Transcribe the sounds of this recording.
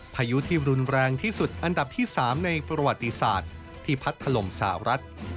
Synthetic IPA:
pʰaː˧ju˦˥t̪ʰiː˥˩ɾu˧nɾɛː˧ŋt̪ʰiː˥˩su˨˩t̪̚ʔa˧nda˨˩p̚t̪ʰiː˥˩saː˩˦mna˧jpɾa˧wa˨˩t̪ːi˧˦sa̰ː˨˩t̪̚ʰː | iː˥˩pʰa˦˥t̪ʰːa˧lo˨˩msa˨˩a˦ɾʔa˦˥t̪̚

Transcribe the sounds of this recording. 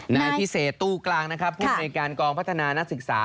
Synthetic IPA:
na˧jʰi˦˥seː˨˩t̪ːuː˥˩klaː˧ŋna˦˥kʰɾa˦˥pʰːuː˥˩˧t̪̚naː˧jkaː˧nkɔː˧ŋpʰa˦˥t̪ʰːa˧naː˧na˦˥k̚sɯ˨˩k̚sa̰ː˩˦

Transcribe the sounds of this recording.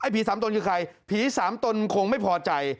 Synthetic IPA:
ʔa˥˩jpʰiː˨˩˦saː˩˦mt̪o˧nkɯː˧kʰa˧jpʰiː˩˦saː˩˦mt̪o˧nkʰo˧ŋma˥˩jpʰɔː˧t͡ɕa˧j

